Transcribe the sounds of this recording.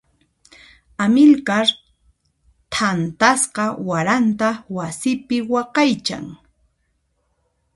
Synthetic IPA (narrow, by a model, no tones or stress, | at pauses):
amɪlkaɾ | t̪ʰant̪asqɑwaɾant̪awasɪpɪwɑqɑjt͡ʃa̰ŋ